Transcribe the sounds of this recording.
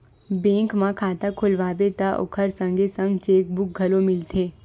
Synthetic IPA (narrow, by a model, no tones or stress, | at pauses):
bẽːŋkmãkʰaːt̪akʰʊlʋaːbet̪aʔo̰kʰəɾsə̃ŋɡʱesə̃ŋɡt͡ʃeːk̚bʊk̚ɡʱəlomɪlt̪ʰeː